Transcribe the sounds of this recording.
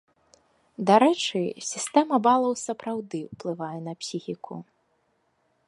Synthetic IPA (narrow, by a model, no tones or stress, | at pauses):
d̪aɾɛt͡ʂɨsʲist̪ɛmɐbalˠɐwsɐpɾawd̪ɨwplˠɨvajɛnɐpsʲixʲikʰu